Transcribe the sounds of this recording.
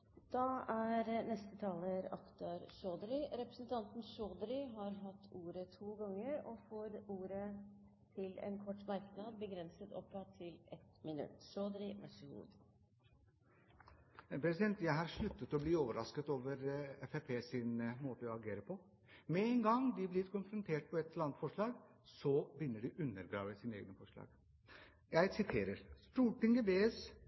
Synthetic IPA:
d̪̥ɑæɾnɛst̪ət̪ʰɑːləɾɑ̰kt̪ɑɾʂoːd̪ɾɪɾɛpɾəsn̩t̪ʰɑnt̪n̩ʂoːd̪ɾɪɦɑɾɦɑt̪ʰːuːɾət̪ʰuːɡɑŋːəɾɔfoːɾuːɾə | t̪ʰɪlɛ̰nkʰɔʈːmɑɾknɑd̪̚bəɡɾɛnsət̪ɔ̰pːɑt̪ʰːɪlɛt̪mɪnʉ̰t̪ʂoːd̪ɾɪʋæʂəɡṵːd̪ | pɾɛsɪd̪ɛnt̪jæɪɦɑɾʂɭʉt̪ːət̪ɔbliːoːʋəɾɑskət̪oːʋəɾɛfepʰeːsɪnmoːt̪əɔɑɡeːɾəpʰɔ | mɛɛnɡɑŋd̪ɪblɪɾkʊnfɾʊnt̪ʰeːʈ̚pʰɔɛt̪lɑnt̪fɔʂɭɑːɡ | sɔbɪnːəɖɪʔʉnːəɾɡɾɑ̰ːʋəsiːnəḛːɡnəfɔʂɭɑ̰ːɡ̥ | jæɪsɪt̪ʰeːɾəɾst̪uːʈɪŋɡəbeːɛs

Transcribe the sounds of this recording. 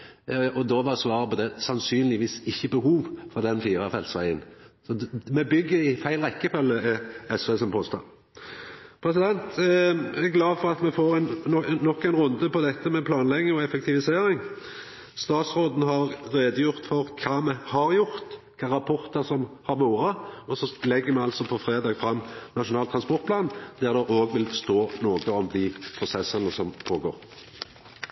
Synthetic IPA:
ɔd̪oʋɑsʋɑːɾəpɔd̪ɛsɑnsyːnlɪʋiːsɪçːəbəɦuːʋfɔɾʁd̪ɛnfiːɾɑfɛlt̪sʋæ̰ɪə̰nsɔmɛbʏɡːəɾɪfæɪlʁɛkːəfœlːəɛsʋɛːsɔmpʰoːst̪ɑ̰ | pʰɾɛsɪd̪ɛnt̪ | æɡlɑːfɔɾɑt̪mɛfoːɾɛnːɔkːæɪnɾʉnd̪əpɔd̪ɛt̪ːəmɛpʰlɑːnlɛɡnɪŋɔɛfɛk̚t̪ʰɪʋɪseːɾɪŋ | st̪ɑːt̪sɾoːd̪n̩ɦɑʁːeːd̪əjʊʁt̪fɔʁkʰɑːmɛhɑɾjʊʁt̪ | kʰɑːɾʁɑpʰɔʁt̪əʁsɔmhɑʁʋoːɾəɔsɔlɛɡːəɾmɛɑlsɔpʰɔfɾeːd̪ɑːɡfɾɑmːnɑʂʊnɑːlt̪ʰːɾɑnspɔʁt̪pʰlɑːnd̪æʁd̪ɛʔoːɡʋɪlst̪oːnoːɡəɔmd̪ɪpʰɾʊsɛsːənəsɔmpʰoːɡo̰ːʁ

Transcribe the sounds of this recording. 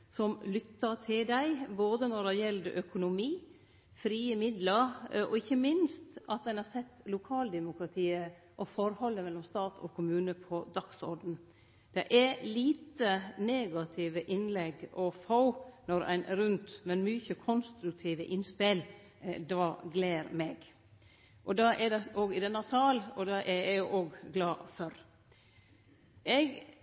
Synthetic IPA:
sɔmlʏt̪ːɑɾt̪ʰɪld̪æɪboːd̪ənɔɖɛjɛld̪əʔœkʊnʊmiː | fɾiːəmɪd̪ləɾɔ̰ɪçːəmɪnst̪ɑt̪̚d̪ɛnhɑɾsɛt̪ːlʊkʰɑːld̪ɛmʊkɾɑt̪ʰiːə | ʔɔfɔɾhɔlːəmɛlːɔmst̪ɑːt̪ʰɔ̰kʰʊmʉːnəpʰɔd̪ɑksɔ̰ɾd̪n | d̪̥ɛʔɛliːt̪əneːɡɑt̪ʰɪʋəʔɪnlɛɡɔfɑʊnɔɾæ̰ɪnʔɾʉnt̪mɛnmyçəkʰɔnst̪ɾʉk̚t̪ʰiːʋə̰ʔɪnspɪl | d̪ɑːɡleːɾmeɡ | ʔɔd̪ɑʔɛd̪ɛoːɡɪd̪ɛnːɑsɑːlɔd̪ɑʔɛɾæɡjʊʔoːɡɡlɑːfɔɾ | ʔɛɡ

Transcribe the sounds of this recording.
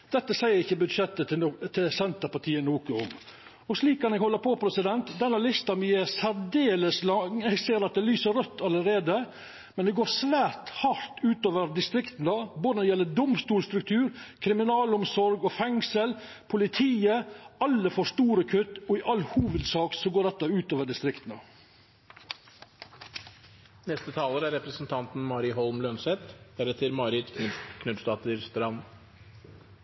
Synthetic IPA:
d̪̥ɛt̪ːəsæɪəɾɪçːəbʉd̪ʂɛt̪ːət̪ʰɪlsɛnt̪əɾpɑʈʰiːənuːkəɔ̰m | ɔʂliːkːɑnɛɡhɔlːəɾpʰɔpʰɾɛsɪd̪ɛnt̪d̪ɛnːɑlɪst̪ɑmɪɛsæɾd̪eːləslɑŋɛɡseːɾɑt̪̚d̪ɛlyːsəɾœt̪ːɑləɾeːd̪ə | mɛnd̪ɛɡoːʂʋæːɾt̪hɑɾt̪ʉːt̪oːʋəɾd̪ɪst̪ɾɪkt̪n̩d̪ɑboːd̪ənəd̪ɛjɛlːəd̪ʊmst̪uːlst̪ɾʉk̚t̪ʰʉːɾkʰɾɪmɪnɑːlʊmsɔɾɡɔːfɛŋsəl | pʰʊlɪt̪ʰiːəɑlːəfɔʂt̪uːɾəkʰʉt̪ːɔɪʔɑlːhuːʋəd̪sɑːksɔɡoːɾɖ̪ɛt̪ːɑʉːt̪oːʋəɖɪst̪ɾɪkt̪n̩ə | nɛst̪ət̪ʰɑːləɾæɾɛpɾəsn̩t̪ʰɑnt̪n̩mɑːɾɪɦɔlmlœnsɛt̪d̪æɾɛt̪ʰəɾmɑːɾɪt̪k̪ʰkʰnʉd̪st̪ɑːt̪əɾst̪ɾɑn

